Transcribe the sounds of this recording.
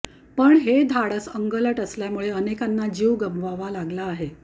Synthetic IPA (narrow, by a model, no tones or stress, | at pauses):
pəɳɦed̪ʱaɽəsəŋɡələʈəsljamuɭeənekanːad͡ʑiʋɡəmʋaʋalaɡlaːɦe